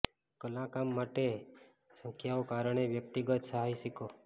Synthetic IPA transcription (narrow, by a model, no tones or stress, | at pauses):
kəlãkamːaʈe | sə̃ŋkʰjaokaɾəɳ̃eʋjək̚t̪iɡət̪səɦajʃiko